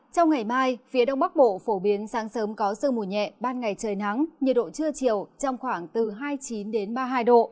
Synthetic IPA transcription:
t͡ɕɔ˧wŋ͡mŋa˨˩jmaː˧jfi˨˦əɗə˧wŋ͡mɓa˦˥k̚ɓo̰˧˨fo˧˩ɓi˨˦ənsaː˨˦ŋsəː˨˦mkɔ˨˦sɨ˧mu˨˩ɲɛ̰˧˨ɓaː˧nŋa˨˩jt͡ɕəː˨˩jna˨˦ŋɲə˨˩ɗo̰˧˨t͡ɕɨ˧ət͡ɕi˨˩əwt͡ɕɔ˧wŋ͡mxwaː˧˩ŋt̪ɨ˨˩ɦaː˧jt͡ɕi˨˦nɗe˨˦nɓaː˧ɦaː˧jɗo̰˧˨

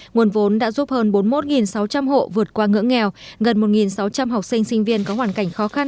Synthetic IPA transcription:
ŋu˨˩ənvo˨˦nɗa̰ː˧˥zu˦˥p̚həː˧nɓo˨˦nmo˦˥t̚ŋi˨˩nsa˨˦wt͡ɕa˧mɦo̰˧˨vɨ˨˩ət̚kwaː˧ŋɨ̰˧˥əŋːɛ˨˩wɣə˨˩nmo˨˩t̚ŋi˨˩nsa˨˦wt͡ɕa˧mɦa˨˩wk͡p̚sï˧ŋ̟sï˧ŋ̟vi˧ənkɔ˨˦hwaː˧˩nka˧˩jŋ̟xɔ˨˦xa˧n

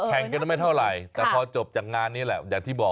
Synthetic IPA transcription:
pʰɛ˨˩ŋka˧nː˥˩ma˥˩jt̪ʰa˥˩wɾa˨˩jt̪ɛː˨˧˩pʰɔː˧t͡ɕo˨˩p̚t͡ɕaː˨˩k̚ŋaː˧nːi˦˥lɛ˨˩jaː˨˩ŋ̚t̪ʰiː˥˩bɔː˨˩

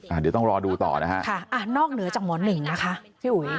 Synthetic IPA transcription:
ʔaː˨˩di˨˦t̪ɔ˥˩ŋɾɔː˧duː˧t̪ɔ̰ː˨˩na˦˥kʰa˦˥kʰa˥˩ʔa˨˩nɔː˥˩k̚nɯ˨˩˦ɐt͡ɕaː˨˩k̚mɔː˨˧˦nːɯ˨˩ŋna˦˥kʰa˦˥ʔpʰiː˥˩ʔu˨˩˦j

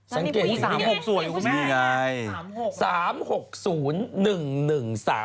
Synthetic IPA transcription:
sa˨˩˦ŋkeː˨˩˧ho˨˩k̚su˨˩˦əju˧˩i˧ŋa˧jsaː˩˦mho˨˩k̚suː˩˦nːɯ˨˩ŋnɯ˨˩ŋsa̰ː˩˦

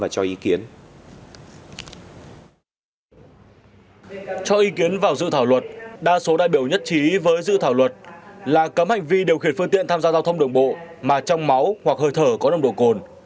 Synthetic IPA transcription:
aː˨˩t͡ɕɔ˧ʔi˨˦ki˨˦ən | t͡ɕɔ˧ʔi˨˦ki˨˦ənvaː˨˩wzɨ̰˧˨t̪ʰaː˧˩wlwə˨˩t̚ɗaː˧so˨˦ɗa̰ː˧˨jɓi˧˩əwɲə˦˥t̚t͡ɕi˨˦vəː˨˦jzɨ̰˧˨t̪ʰaː˧˩wlwə˨˩t̚laː˨˩kə˨˦mha˨˩jŋ̟vi˧ɗi˨˩əwxi˧˩ənfɨ˧ŋt̪ḭ˧˨nt̪aː˧mzaː˧zaː˧wt̪ʰə˧wŋ͡mɗɨ˨˩əŋɓo̰˧˨maː˨˩t͡ɕɔ˧wŋ͡mma˨˦whwa˨˩k̚həː˧˩jt̪ʰəː˧˩kɔ˨˦ɗə˧˩wɗo̰˧˨ko˨˩n

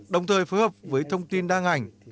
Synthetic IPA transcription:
ɗə˨˩wŋ͡mt̪ʰəː˨˩jfoː˨˦jhəː˨˩p̚vəː˨˦jt̪ʰə˧wŋ͡mt̪i˧nɗaː˧ŋa˨˩jŋ̟

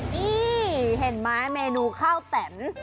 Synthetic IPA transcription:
ʔiː˧˩ɦe˨˩n̚maː˦˥meː˧nuː˧kʰaː˥˩wt̪ɛ˨˩˦m

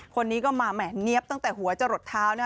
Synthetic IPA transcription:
kʰo˧nːiː˦˥kɔː˥˩maː˧mɛː˨˩ni˦˥əp̚t̪a˥˩ŋt̪ɛː˨˩hu˨˩˦ɐt͡ɕa˧˩ɾo˨˩t̪ʰːaː˦˥wna˥˩

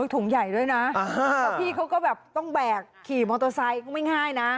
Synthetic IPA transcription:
t̪ʰu˨˩˦ŋja˨˩jdu˥˩əjna˦˥˨aː˧˩pʰiː˧˩kʰa˨˦˥wkɔː˥˩bɛː˨˩p̚t̪ɔ˥˩ŋbɛː˨˩kʰːiː˨˩mɔː˧t̪ɔː˧sa˧jkʰa˧˥ma˥˩jŋaː˥˩jna˦˥

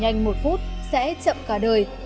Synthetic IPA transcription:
ɲa˧jŋ̟mo˨˩t̚fu˦˥t̚sɛ̰˧˥t͡ɕə̰˧˨mkaː˧˩ɗəː˨˩j

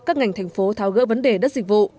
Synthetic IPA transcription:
kaː˦˥k̚ŋa˨˩jŋ̟t̪ʰjŋ̟fo˨˦t̪ʰaː˨˦wɣə̰ː˧˥və˨˦nɗe˨˩ɗə˦˥t̚zï˨˩k̟̚vṵ˧˨

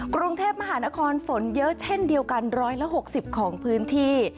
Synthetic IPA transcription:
kɾu˧ŋt̪ʰeː˥˩p̚ma˧ɦaː˩˦naː˦˥kʰɔː˧nfo˩˦njɤ˦˥ʔt͡ɕʰe˥˩ndi˧əwka˧nɾɔː˦˥jla˦˧˥ʔɦo˨˩k̚si˨˩p̚kʰɔː˩˦ŋpʰɯː˦˥nt̪ʰiː˥˩

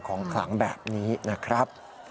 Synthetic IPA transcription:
kʰɔː˩˦ŋkʰla̰˩˦ŋbɛ̰ː˨˩p̚niː˦˥na˦˥˩kʰɾa˦˥p̚

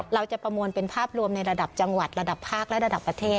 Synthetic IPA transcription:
ɾa˧wt͡ɕa˨˩pɾa˧mu˧ənpe˧npʰaː˥˩p̚ɾu˧əmna˧jɾa˧da˨˩p̚t͡ɕa˧ŋwa˨˩t̪̚ɾa˧da˨˩pʰːaː˥˩k̚lɛ˦˥ʔɾa˧da˨˩pːɾa˧t̪ʰeː˥˩

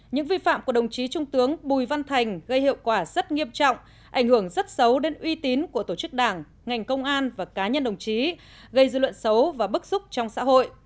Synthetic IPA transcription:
ɲɨ̰˧˥ŋvi˧fa̰ː˧˨mku˧˩əɗə˨˩wŋ͡mt͡ɕi˨˦t͡ɕʊ˧ŋ͡mt̪ɨ˨˦əŋɓu˨˩jva˧nt̪ʰa˨˩jŋ̟ɣə˧jhḭ˧˨əwkwaː˧˩z̥ə˦˥t̚ŋi˧əmt͡ɕɔ̰˧˨wŋ͡m | ʔa˧˩jŋ̟hɨ˧˩əŋzə˦˥t̚sə˨˦wɗe˨˦nʔwi˧t̪i˨˦nku˧˩ət̪o˧˩t͡ɕɨ˦˥k̚ɗaː˧˩ŋ | ŋa˨˩jŋ̟kə˧wŋ͡mʔaː˧nvaː˨˩kaː˨˦ɲə˧nɗə˨˩wŋ͡mt͡ɕi˨˦ | ɣə˧jzɨ̰˧˨lwə̰˧˨nsə˨˦wvaː˨˩ɓɨ˦˥k̚sʊ˦˥k͡p̚t͡ɕɔ˧wŋ͡msa̰ː˧˥ɦo̰˧˨jʔ

